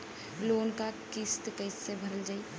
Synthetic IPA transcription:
loːnkakist̪kəɪsebʱɐɾəld͡ʒaːi

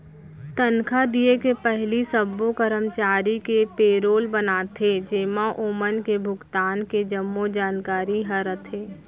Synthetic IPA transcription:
t̪ənkʰad̪iekepɛɦlisəbːokəɾəmt͡ʃaːɾikepeːɾoːlbənaːt̪ʰed͡ʒeːmaʔoːmənkebʱʊɡt̪aːnked͡ʒəmːod͡ʒaːnkaːɾiɦɐɾət̪ʰeː

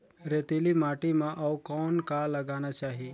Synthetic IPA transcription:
ɾet̪elimaːʈimãʔɐwkɔːnkaləɡanat͡ʃaːɦi

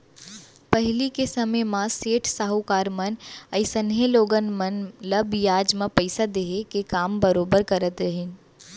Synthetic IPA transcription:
pɐɦɪlikesɐməjmãseːʈʰsaɦukaːɾmənəɪsənɦeloːɡənmənləbjaːd͡ʒmãpəɪsad̪eːɦekekaːmbəɾoːbəɾkɐɾət̪ɾəɦɪn

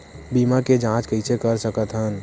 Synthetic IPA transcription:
biːmaked͡ʒãt͡ʃkəɪsekəɾsəkət̪ɦən

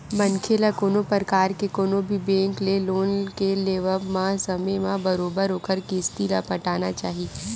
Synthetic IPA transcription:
bɐnkʰeːlakoːnopəɾkaːɾkekoːnobʱibẽːŋkleloːnkeleːʋəbmãsɐmemãbɐɾoːbəɾɦoːkəɾkist̪ilapɐʈaːnat͡ʃaːɦi

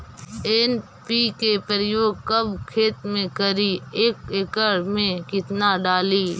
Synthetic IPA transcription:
eːn | pikepəɾəjoːɡ̚kəbkʰeːt̪mẽkəɾieːkekəɾmẽkɪt̪naɖaːliː

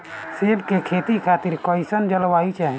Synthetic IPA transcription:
seːbkekʰeːt̪ikʰaːt̪iɾkɔɪsənd͡ʒəlʋaːit͡ʃaːɦɛ̃

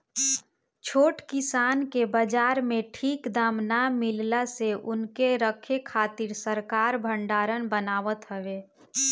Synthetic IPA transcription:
t͡ʃʰoːʈkisaːnkebəd͡ʒaːɾmeʈʰiːkd̪amnamillaseʔʊnkeɾəkʰekʰat̪iɾsəɾkaɾbʱəɳɖaːɾənbənaːʋət̪ɦəʋe

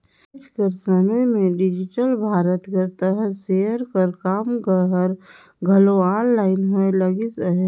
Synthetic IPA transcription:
t͡ʃkəɾsəməjmẽɖɪd͡ʒɪʈəlbʱaːɾət̪ɡəɾt̪əɦəsejəɾkəɾkaːmɡəɦəɾ | ɡʱəloaːnlaːɪnɦoeləɡisəɦ

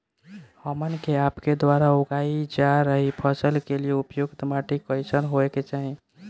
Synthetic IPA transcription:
həmənkeapked̪waɾauɡaid͡ʒaɾəɦipʰəsəlkelieupjoɡt̪əmaʈikəjt͡ʃʰənɦoeket͡ʃaɦi

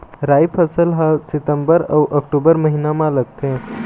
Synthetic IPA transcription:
ɾaːjpʰəsəlɦãsɪt̪ə̃mbəɾɐwʔəkʈubəɾməɦinamãləɡ̚t̪ẽ

